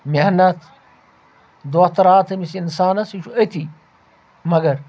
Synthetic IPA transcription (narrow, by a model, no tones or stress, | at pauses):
meɦnɐt̪ʰ | d̪oːht̪ɐɾaːt̪ʰɐmisinsaːnɐsiʃʰuɐt̪ʰi | mɐɡɐɾ